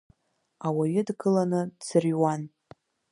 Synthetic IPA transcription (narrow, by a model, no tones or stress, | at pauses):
awaɥɪdɡɨlanɨdsɨrwan